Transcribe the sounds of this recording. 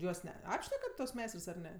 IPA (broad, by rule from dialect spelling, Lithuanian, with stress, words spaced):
ˈjuɔs ˈnʲɛ ˈɑːpʲʃʲnʲɛkɐt tuɔs ˈmʲɛɪstrs ɐr ˈnʲɛ